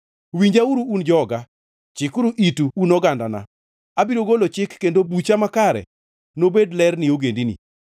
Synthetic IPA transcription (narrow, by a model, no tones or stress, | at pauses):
wiɲd͡ʒauɾuːnd͡ʒɔɡa | t͡ʃɪkuɾuʔituunɔɡandana̰ | abiɾoɡolot͡ʃɪkːendobut͡ʃamakaɾɛ̰ | nobedlɛrnɪoɡendinḭ